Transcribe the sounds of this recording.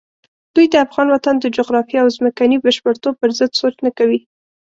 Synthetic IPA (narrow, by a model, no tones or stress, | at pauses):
d̪̥ujd̪əafɣɑnwat̪and̪əd͡ʒʊɣɾɑfiawzməkanibəʃpəɾt̪ob̚pəɾzəd̪sot͡ʃnakawi